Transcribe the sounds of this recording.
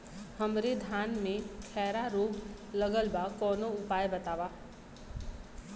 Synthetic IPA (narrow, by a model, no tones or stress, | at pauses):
həmɾed̪ʱaːnmẽkʰɛːɾaɾoːɡləɡəlbakɔːnoʊpaːjbət̪aːʋaː